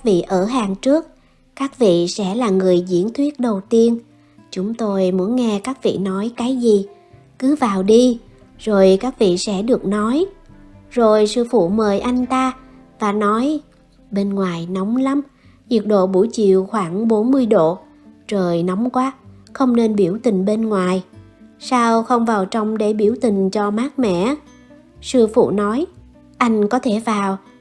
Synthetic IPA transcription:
a˦˥k̚vḭ˧˨ʔəː˧˩ɦaː˨˩ŋt͡ɕɨ˦˥ək̚ | kaː˦˥k̚vḭ˧˨sɛ̰˧˥laː˨˩ŋɨ˨˩əjzḭ˧˥ənt̪ʰwi˦˥ət̚ɗə˨˩wt̪i˧ən | t͡ɕʊ˨˦ŋ͡mt̪o˧jmu˨˦nŋɛ˧kaː˦˥k̚vḭ˧˨nɔ˨˦jkaː˨˦jzi˨˩ | kɨ˨˦vaː˨˩wɗi˧ | zo˨˩jkaː˦˥k̚vḭ˧˨sɛ̰˧˥ɗɨ˨˩ək̚nɔ˨˦j | zo˨˩jsɨ̰˧fṵ˧˨məː˨˩jʔa˧jŋ̟t̪aː˧ | vaː˨˩nɔ˨˦j | ɓe˧nŋwaː˨˩jnɔ˨˦wŋ͡mla˨˦m | zi˨˩ək̚ɗo̰˧˨ɓu˧˩jt͡ɕḭ˧˨əwxwaː˧˩ŋɓo˨˦nmɨ˧əjɗo̰˧˨ | t͡ɕəː˨˩jnɔ˨˦wŋ͡mkwaː˦xə˧wŋ͡mne˧nɓi˧˩əwt̪ï˨˩ŋ̟ɓe˧nŋwaː˨˩j | saː˧wxə˧wŋ͡mvaː˨˩wt͡ɕɔ˧wŋ͡mɗe˧˩ɓi˧˩əwt̪ï˨˩ŋ̟t͡ɕɔ˧maː˦˥k̚mɛ̰˧˨ | sɨ˧fṵ˧˨nɔ˨˦j | ʔa˧jŋ̟kɔ˨˦t̪ʰe˧˩vaː˨˩w

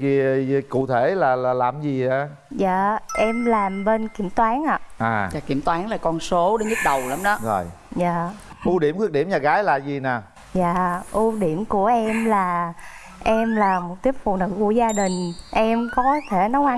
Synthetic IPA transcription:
i˧˩kṵ˧˨t̪ʰe˧˩laː˨˩laː˨˩laː˨˩mzi˨˩a˨˩ | za̰ː˧˨ʔɛ˧mlaː˨˩mɓe˧nki˧˩əmt̪waː˨˦nʔaː˧˨ʔaː˨˩zaː˨˧˩ki˧˩əmt̪waː˨˦ŋlaː˨˩kɔ˧nso˨˦ɗe˨˦nɲɨ˦˥t̚ɗə˨˩wla˨˦mɗɔ˨˦zo˨˩j | zaː˧˨ʔu˧ɗi˧˩əmkɨ˦˥k̚ɗi˧˩əmɲaː˨˩ɣaː˨˦jlaː˨˩zi˨˩naː˨˩ | za̰ː˧˨ʔu˧ɗi˧˩əmku˧˩əʔɛ˧mlaː˨˩ | ʔɛ˧mlaː˨˩mo˨˩t̚t̪i˦˥əp̚fṵ˧˨nɨ̰˧˥ku˧˩əzaː˧ɗï˨˩ŋ̟ʔɛ˧mkɔ˨˦t̪ʰe˧˩nɔ˨˦wʔa˧

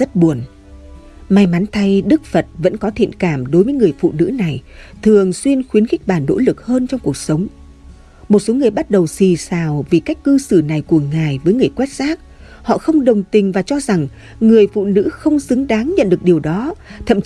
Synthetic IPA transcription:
zə˦˥t̚ɓu˨˩ən | ma˧jma˨˦nt̪ʰa˧jɗɨ˦˥k̚fə˨˩t̚və̰˧˥nkɔ˨˦t̪ʰḭ˧˨ənkaː˧˩mɗo˨˦jvəː˨˦jŋɨ˨˩əjfṵ˧˨nɨ̰˧˥na˨˩jt̪ʰɨ˨˩əŋswi˧ənxwi˨˦ənxi˦˥k̟̚ɓaː˧˩nːo̰˧˥lɨ˨˩k̚həː˧nt͡ɕɔ˧wŋ͡mku˨˩ək̚sə˨˦wŋ͡m | mo˨˩t̚so˨˦ŋɨ˨˩əjɓa˦˥t̚ɗə˨˩wsi˨˩saː˨˩wvi˨˩ka˦˥jk̟̚kɨ˧sɨ˧˩na˨˩jku˧˩əŋaː˨˩jvəː˨˦jŋɨ˨˩əjkwɛ˦˥t̚zaː˦˥k̚ | hɔ̰˧˨xə˧wŋ͡mɗə˨˩wŋ͡mt̪ï˨˩ŋ̟vaː˨˩t͡ɕɔ˧za˨˩ŋ | ŋɨ˨˩əjfṵ˧˨nɨ̰˧˥xə˧wŋ͡msɨ˨˦ŋɗaː˨˦ŋɲə̰˧˨nɗɨ˨˩ək̚ɗi˨˩əwɗɔ˨˦t̪ʰə̰˧˨m

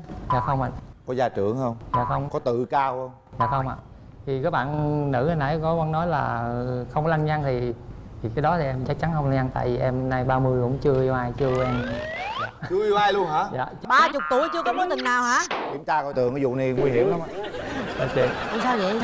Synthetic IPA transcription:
zaː˨˩xə˧wŋ͡mʔa̰˧˨kɔ˨˦zaː˧˩t͡ɕɨ˧˩˨əŋhə˧wŋ͡mza̰ː˨˩xə˧wŋ͡mkɔ˨˦t̪ɨ̰˧˨kaː˧whə˧wŋ͡mzaː˨˩xə˧wŋ͡mʔa̰ː˨ | t̪ʰi˨˩kaː˨˦˥k̚ɓa̰ː˧˨nnɨ̰˧˥hə˧na̰˧˦jkɔ˨˦a˧nːɔ˨˦jlaː˨˩xə˧wŋ͡mla˧ŋɲa˧ŋt̪ʰi˨˩t̪ʰi˨˩kaː˨˦jɗɔ˨˦t̪ʰi˨˩ʔɛ˧mt͡ɕa˦˥k̚t͡ɕa˨˦nxə˧wŋ͡mla˧ŋɲa˧ŋt̪a̰ː˧˨jvi˨˩ʔɛ˧mnaː˧jɓaː˧mɨ˧əjkʊ̰˧˥ŋ͡mt͡ɕɨ˧əʔi˧wʔaː˧jt͡ɕɨ˧əʔɛ˧ma˧˨t͡ɕɨ˧əʔi˧waː˧jlu˧əŋɦaː˨˧˥ja̰ː˧˨ | ɓaː˧t͡ɕʊ˨˩k͡p̚t̪u˧˩əjt͡ɕɨ˧əkɔ˨˦mɔ˨˦t̪ï˨˩ŋnaː˨˩whaː˧˥kḭ˨˧˦ə˦mt͡ɕ̪aː˧kɔ˧˦t̪ɨ̰˨əŋa˨˦zʊ̰˧˨ni˨˩ŋwi˧hi˧˩əmla˨˦˨ɗa̰˨˩t͡ɕ̪ḭ˧˨əna˨˩saː˧wzə̰˧˨

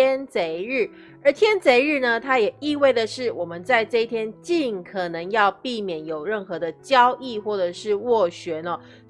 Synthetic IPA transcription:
ɛ˥nt͡se˧˥ɪɻ̩˥˩ | ə˞˨˧˥t̪ʰjɛ˥nt͡se˧˥ɪɻɻ̩˥˩nə˨t̪ʰa˥jɛ˨˩i˥˧we˥˩ɪd̪ə˩ʂɻ̩˥˩wɔ˨˩mə˦nt͡sa˥˧ɪʈ͡ʂɤ˥˧i˥t̪ʰjɛ˥nt͡ɕi˥˩nkʰɤ˨˩nɤ˧˦ŋjɑ˥˧ʊpi˥˩mjɛ˨˩njo˨˩ʊɻə˥˩nxɤ˧˦d̪ə˧t͡ɕjɑ˦ʊʔi˥˨xwɔ˥˩ʈ͡ʂɤ˨˩ʂɻ̩˥˧wɔ˥˩ɕɥɛ˨˧˥nɔ˨˧

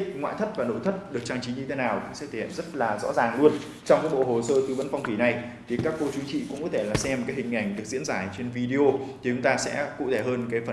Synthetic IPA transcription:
ŋwa̰ː˧˨jt̪ʰə˦˥t̚vaː˨˩no̰˧˥jt̪ʰə˦˥t̚ɗɨ˨˩ək̚t͡ɕaː˧ŋt͡ɕi˨˦ɲɨ˧t̪ʰe˨˦naː˨˩wkʊ̰˧˥ŋ͡msɛ̰˧˥t̪ʰe˨˧˩hḛ˧˨nzt̚laː˨˩zɔ̰˧˥zaː˨˩ŋlu˧ən | t͡ɕɔ˧wŋ͡mkaː˨˦jɓo̰˧˨ɦo˨˩səː˧t̪ɨ˧˩və̰˧˥nfa˧wŋ͡mt̪ʰwi˧˩na˨˩j | t̪ʰi˨˩kaː˦˥kːo˧t͡ɕi˨˦əŋt͡ɕḭ˧˨kʊ̰˧˥ŋ͡mkɔ˨˦t̪ʰe˧˩laː˨˩sɛ˧mkaː˨˦˥jhï˨˩ŋ̟ʔa˨˧˩jŋ̟ɗɨ˨˩ək̚zḭ˧˥ənzaː˧˩t͡ɕe˧nvi˧ɗi˧o˧t̪ʰi˨˩t͡ɕʊ˨˦ŋ͡mt̪aː˧sɛ̰˧˥kṵ˧˨t̪ʰe˧˩ɦəː˧nkaː˨˦jfə˨˩

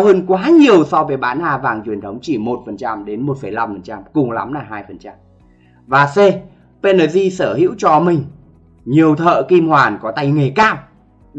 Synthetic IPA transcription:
whəː˧nkwaː˨˦ɲi˨˩əwsɔ˧wveː˨˦jɓaː˨˦nʔaː˧vaː˨˩ŋt͡ɕwi˨˩ənt̪ʰə˨˦wŋ͡mt͡ɕi˧˩mo˨˩t̚fə˨˩nt͡ɕa˧mɗe˨˦nmo˨˩t̚fə˧˩jla˧mfə˨˩nt͡ɕa˧mkʊ˨˩ŋ͡mla̰˨˦mlaː˨˩ɦaː˧jfə˨˩nt͡ɕa˧m | vaː˨˩se˧ | pe˧nəː˨˧˩zi˧səː˧˩hḭ˧˥wt͡ɕɔ˧mï˨˩ŋ̟ | ɲi˨˩əwt̪ʰə̰ː˧˨ki˧mhwaː˨˩nkɔ˨˦t̪a˧jŋe˨˩kaː˧˩w

